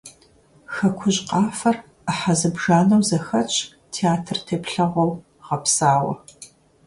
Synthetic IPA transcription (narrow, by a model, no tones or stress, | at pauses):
xɐkʷʰʊʑqɑːfɐr | aħazɨbʒaːnɐwzɐxɐt͡ʃʰʼ | tʰeaːtʰɨrtʰeːpɬɐʁʷɐw | ʁɐpsaːwɐ̰